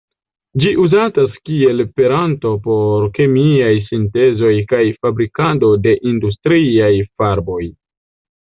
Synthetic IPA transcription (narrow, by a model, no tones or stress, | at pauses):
d͡ʒiʔuzataskie̞lpe̞ɾanto̞po̞ɾke̞miajsinte̞zo̞jkajfabɾikado̞de̞ʔindus̬tɾiajfaɾbo̞j